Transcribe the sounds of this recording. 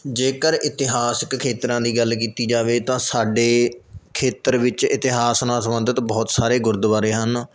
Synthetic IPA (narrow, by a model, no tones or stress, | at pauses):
d͡ʒeːkəɾɪt̪ɪɦaːsəkkʰːeːt̪ɾãːd̪iːɡəlk̬iːt̪iːd͡ʒaːʋeːt̪ãːsaːɖeːkʰeːt̪əɾʋɪt͡ʃɪt̪ɪɦaːsnãːsəmənd̪ət̪bɔːt̪saːɾeːɡʊɾd̪ʋaːɾeːɦən